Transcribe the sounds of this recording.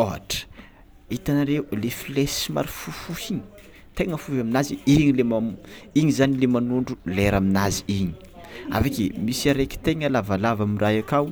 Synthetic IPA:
oɦa̰ʈ͡ʂə̥ | it̪anaɾeulefilesima̰ɾifufuhiɲi̥ | t̪eŋəfuɦaminaziiɲilemamiɲizanilemanuɳɖ͡ʐuleɾaminaziiɲi̥ | a̰vakḭmisiaɾeki̥t̪eŋəlavalavamirajakaw

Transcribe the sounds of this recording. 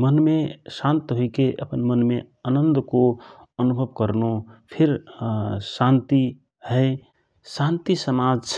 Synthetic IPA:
mənmesãnt̪ɦoikeʔəpənmənmeənənd̪koənubʱəbkəɾnopʰiɾ | sãnt̪i | həɪ | sãnt̪isəmad͡ʒt͡ʃʰ

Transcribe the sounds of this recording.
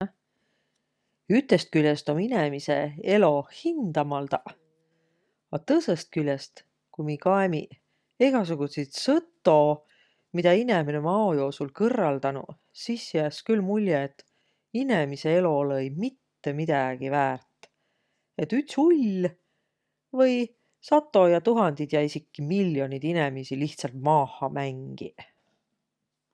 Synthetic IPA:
yt̪ːˑe̞st̪̚kylʲjest̪o̞minemise̞e̞lo̞hind̪̥ɑmɑld̪ɑ | ɑt̪ɤse̞st̪̚kylʲjest̪ | kumikɑemi | eɡ̥ɑs̬uɡ̥usit̪sɤt̪ːˑo̞ | mid̪̥ɑineminemɑojo̞ːsulkɤrːɑld̪̥ɑnṵ | sisjæːskylmulʲjeet̪ː | inemise̞e̞lo̞leejmit̪ːemid̪̥æɡ̥ivæːrt̪ːˑ | e̞t̪ːyt̪sulʲ | vɤj | sɑt̪ːˑo̞jɑt̪uɦɑnd̪̥id̪̥jæjsikːimilʲːjo̞nid̪ine̞misiliht̪sɑlt̪̚mɑːhɑmæŋɡ̥ḭ

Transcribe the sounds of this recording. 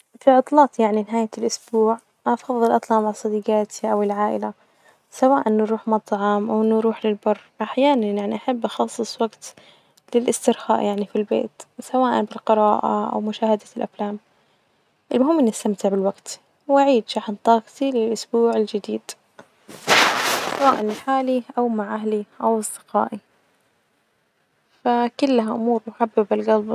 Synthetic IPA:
fiʕɑt̪ˤlɑːt̪ˤjaʕninɪɦaːjalʔʊsbuːʕ | ʔɑfɑðˤːɨlʔɑt̪ˤlɑʔmaʕsˤɑd̪iːɡaːt̪ʰiʔawɪlʕaːʔɪla | sawaːʔanːɾˤuːħmɑt̪ˤʕɑmʔawʔɪnːɾuːħlɪlbɑrˤːʔaħjaːnanjaʕniʔaħabːʔɑxɑsˤːɨsˤwaɡt̪ | lɪlʔɪst̪ɪɾxa̰ːʔjaʕnifilbḛːt̪sawaːʔa̰nbɪlqɨɾɑːʔa̰ʔa̰wmʊʃaːhad̪alʔaflaːm | ʔɪlmʊɦɪmːʔɪnːast̪amt̪ɪʕbɪlwaɡt̪ | wʔaʕiːd̪ʃaħnt̪ˤɑːqt̪ilɪlʔʊsbuːʕɪld͡ʒɪd̪iːd̪̥ | sawaːʔanɪlħaːliʔawmaʕʔaɦliʔawɑsˤd̪̥ɪ̥qɑ̰ːʔi | fakʊlːɦaʔʊmuːɾmʊħabːɪbɪlɡɑlb

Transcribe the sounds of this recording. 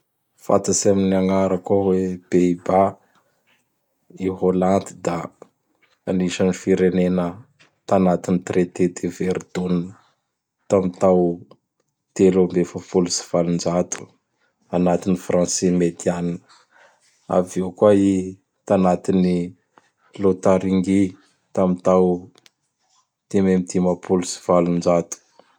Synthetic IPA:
fa̰t̪asiaminiaŋaɾəkaweb̥eiba | iɦoland̪i̥d̪a | aniʃanifiɾenenə | t̪anat̪init̪ret̪ed̪eveɾd̪unn | t̪amit̪aw | t̪elombefafulusi̥v̥alund͡ʒat̪u̥ | anat̪inifrãnsemet̪ianinə̥ | a̰vewkwai | t̪anat̪ini | lot̪aɾiŋɡi | t̪amit̪aw | t̪ememid̪imapʰulusi̥v̥alund͡ʒat̪u̥

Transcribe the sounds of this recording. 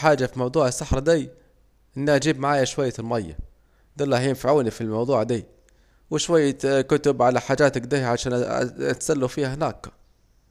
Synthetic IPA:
ħaːd͡ʒafimɑwd̪ˤuːʕɪsːaħɾˤd̪iː | ʔɪnːiʔad͡ʒiːbmaʕaːjaʃwajːalmajːa̰ | d̪alːaɦijːnfaʕuːnifilmɑwd̪ˤuːʕd̪iː | wɪʃwajːakʊt̪ʊbʕalaħaːd͡ʒaːt̪akd̪iʕaʃaːn̰at̪salːufiːhahnaːk

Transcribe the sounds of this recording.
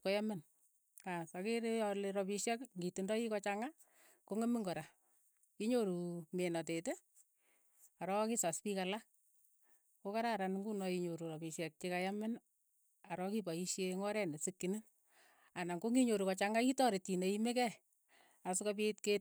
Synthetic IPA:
kɔjamɪn | asakiɾejɔleɾɔpiʃɛkŋɡitundɔikɔt͡ʃaŋa | koŋemiŋɡɔɾa | iɲoɾumenɔtete | aɾɔkisaspikala | kokaɾaɾanŋɡunɔiɲoɾuɾɔpiʃɛk̚t͡ʃikajamɪn | aɾɔkipaiʃjeŋɔɾɛnesikːinɪn | anaŋɡoŋiɲoɾukɔt͡ʃaŋaitɔɾitineimekɛ | asukapitket̚

